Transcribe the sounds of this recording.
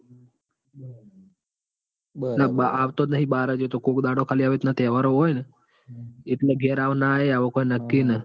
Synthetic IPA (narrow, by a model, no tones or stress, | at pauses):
naaaʋt̪onəɦĩɓaːɾəd͡ʒet̪okõːkd̪aɽokʰaːliaʋet̪nat̪ɛːʋaɾoɦojne | eʈleɡʱɛɾaʋnaɦeaʋokoinəkːinə